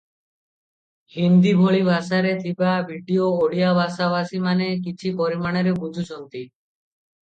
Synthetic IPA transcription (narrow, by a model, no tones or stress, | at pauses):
hind̪ibʱoɭibʱasaɾet̪ʰibabʱiɖioːɽiabʱasaβasimanek̬it͡ʃʰipɔɾimaɽ̃eɾebud͡ʒʱut͡ʃɔnt̪i